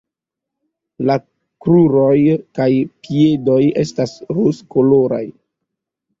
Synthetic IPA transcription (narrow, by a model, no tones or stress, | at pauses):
la | kɾuɾojkajpie̞do̞je̞̰stasɾuskolo̞ɾa̰j